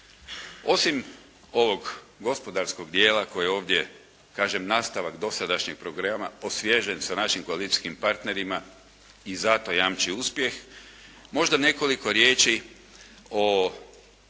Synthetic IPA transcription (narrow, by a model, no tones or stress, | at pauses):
o̞sim | o̞ʋo̞ɡ | ɡo̞spo̞d̪aɾsko̞ɡd̪je̞ːlako̞jeo̞ːʋd̪je̞ | kaːʒemnaːst̪aʋaɡd̪o̞sad̪aʃɲeɡ̚pɾo̞ɡɾamaosʋjeʒensanaʃimkoalit̪ʲi̥skimpaɾt̪ne̞ɾima | izat̪o̞jamt͡ʃiuspje̞x | mo̞ʒd̪ane̞ko̞liko̞ɾjeːt͡ʃi | o